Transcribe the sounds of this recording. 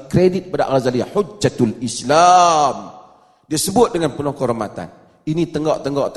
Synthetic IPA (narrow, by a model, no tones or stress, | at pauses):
kɾedit̪̚bada̰ʔɣazaliħud͡ʒat̪lislam | diasəbʊt̪̚dəŋanpənɔkəɦoɾmat̪a̰n | inĩt̪əŋɡɔʔt̪əŋɡɔʔt̪